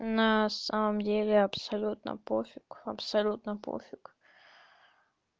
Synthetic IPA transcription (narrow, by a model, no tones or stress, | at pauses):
nasaməmdʲelʲeɐbsɐlʲut̪nɐ̰pofʲukɐpsɐlʲut̪nɐpo̰fʲuk